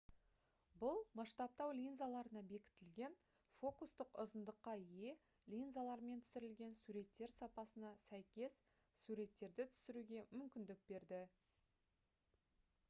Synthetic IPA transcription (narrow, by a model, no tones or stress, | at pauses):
bʊlˠmɑʃt̪ɑp̚t̪ɑwlʲinzalˠɑɾənɑbe̞kʲɪ̥t̪ɪlɡʲe̞n | fo̞kust̪əqʊzənd̪əqːɑije̞ | lʲinzalˠɑɾme̞nt̪ʰʏ̥sɪɾɪlɡʲe̞nsuɾe̞t̪ːe̞ɾsɑpɑsənɑsæjkʲe̞s | suɾe̞t̪ːe̞ɾd̪ɪt̪ʰʏ̥sɪɾuɡʲe̞mʏmkʲɪnd̪ɪk̚be̞ɾd̪ɪ